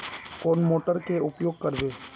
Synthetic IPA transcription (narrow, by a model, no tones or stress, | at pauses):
koːnmoːʈəɾkeʊpjoːɡ̚kəɾbeː